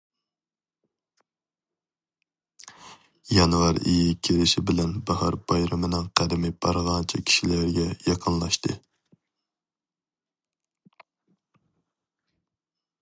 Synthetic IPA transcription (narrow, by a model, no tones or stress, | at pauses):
jɑnwɑɾijikʲʰeɾɪʃɪbɪlɛnbɑhɑɾbɑjɾɨmɪnɨŋqʰæd̪ɪmɪbɑɾʁɑnt͡ʃʰikʲʰi̥ʃilæɾɡʲɛjɑqʰənlˠɑʃt̪ɨ